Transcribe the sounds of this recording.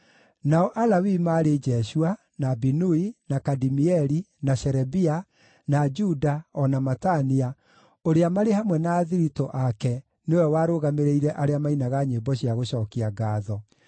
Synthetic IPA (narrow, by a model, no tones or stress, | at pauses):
naɔʔalawimaɾed͡ʒɛʃua | nabinuinakadimiɛɾi | naɕɛɾɛbia | nad͡ʒudaɔnamatania | oɾeamaɾehamwɛnaːðiɾitɔʔakɛ | neowɛwaːɾoɣameɾeiɾɛʔaɾeamainaɣaɲebɔɕijaɣoɕɔːkiaɡaːðɔ